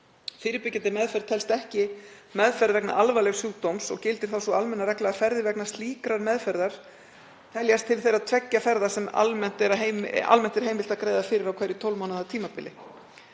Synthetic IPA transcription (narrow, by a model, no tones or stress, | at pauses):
fɪːɾɪpɪcːant̪ɪmɛðfɛɾt̪ʰːɛlst̪ɛhcɪ | mɛðfɛɾðvɛkna̰ʔalvajlɛɣsjuːɣt̪owmsɔ̰ɣcɪlt̪ɪ̥ɾ̥θawsɔalmɛnːaɾɛklaafɛɾðɪvɛknast̪liːkɾaɾmɛðfɛɾðaɾ̥ | t̪ʰɛljast̪ʰɪlθejɾaðt̪ʰvɛcːafɛɾðasɛma̰lmɛn̥t̪ɛɾaɦejma̰lmɛn̥t̪ɛɾ̥ɦejmɪl̥t̪akɾeːjðafɪːɾɪɾawkʰvɛjɾɪt̪ʰowlmawnaðat̪ʰiːmapɪ̰lɪ